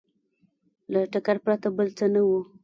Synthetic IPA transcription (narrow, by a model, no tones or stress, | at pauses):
laʈakaɾpɾat̪abəlt͡sənawu